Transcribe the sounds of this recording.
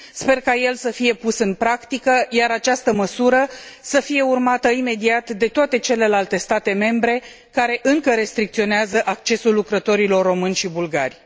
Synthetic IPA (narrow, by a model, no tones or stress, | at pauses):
spe̞rkaje̞lsəfije̞pusɨnpɾakt̪ikəjaɾat͡ʃast̪əməsuɾəsəfije̞urmat̪əime̞d̪iat̪d̪e̞t̪oat̪e̞t͡ʃe̞le̞lalt̪e̞st̪at̪e̞me̞mbɾe̞ | kaɾe̞ʔɨŋkəɾe̞st̪ɾik̚t̪sio̞neazəʔak̚t͡ʃe̞sulːukɾət̪o̞ɾilo̞rːo̞mɨnʲʃibulɡarʲ